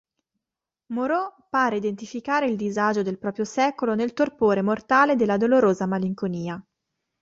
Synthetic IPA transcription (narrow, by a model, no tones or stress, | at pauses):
moɾɔpaːɾeid̪ent̪ifikaːɾeild̪izad͡ʒod̪elpɾɔːpɾjosɛːkolonelt̪orpoːɾemort̪aːled̪elːad̪oloɾoːzamaliŋkoniːa